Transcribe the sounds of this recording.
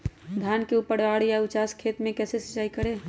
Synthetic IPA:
d̪ʱjankeupəɽʋaːɽjaʊt͡ʃaskʰet̪mẽkɛːsesə̥t͡ʃːaːikəɾe

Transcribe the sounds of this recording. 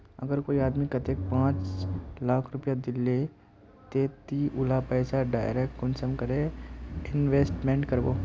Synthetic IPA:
ə̰ɡəɾkoːiaːd̪mikɐt̪ek̚pãːt͡ʃlaːkʰɾʊpjad̪ɪlːe | t̪eːt̪iʔʊlapɛːsaɖaːjɾekʈkʊnsəmkɐɾeɪnʋeːsʈmẽːɳʈkəɾbo̰ː

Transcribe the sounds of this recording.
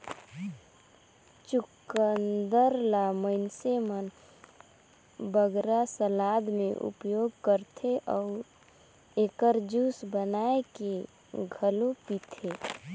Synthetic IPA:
t͡ʃukənd̪əɾlaməɪnsemən | bəɡɾasəlad̪mẽʔṵpjoɡkəɾt̪ʰeʔɔʊ | ekəɾd͡ʒusbənaeke | ɡʱəlopit̪ʰe

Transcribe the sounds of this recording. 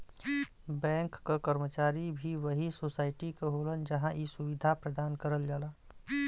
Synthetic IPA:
bɛ̃ːŋkːakəɾmət͡ʃaːɾibʱiʋəɦisoːsaːɪʈikeɦoːlənd͡ʒəɦãʔisʊʋɪd̪ʱapɾəd̪aːnkəɾəld͡ʒaːlaː

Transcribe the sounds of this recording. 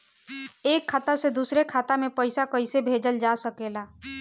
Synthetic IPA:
eːkʰːaːt̪əɾsed̪usɾekʰaːt̪amepəɪsakəɪsebʱed͡ʒəld͡ʒasəkela

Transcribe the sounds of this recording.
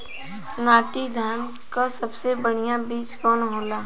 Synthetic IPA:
naːʈid̪ʱaːɾn | kasɐbsebəɽ̤ijabiːt͡ʃkɔːnɦõːlaː

